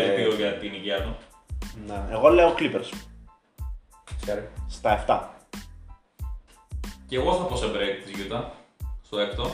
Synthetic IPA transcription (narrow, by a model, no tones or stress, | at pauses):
ipioʝɐt̪iniʝiɐt̪u | neeɣo̞leoklipeɾs | seɾst̪ɐeft̪ɐ | ceɣosθɐposebɾekt̪izʝit̪ɐst̪oekt̪o